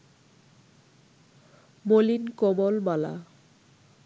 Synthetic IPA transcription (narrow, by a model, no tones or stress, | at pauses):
molinkɔmɔlmala̰